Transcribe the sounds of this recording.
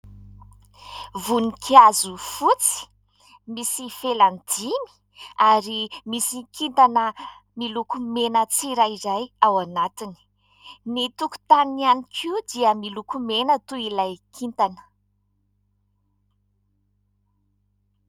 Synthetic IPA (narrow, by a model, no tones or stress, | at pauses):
vunikʰiazufut͡si̥ | misifeland̪imi̥ | aɾimisikʰint̪anə | milukumenət͡siɾajizajawanat̪ini̥ | nit̪uku̥t̪anianikʰiud̪iəmilukumenət̪uilajkʰint̪anə̥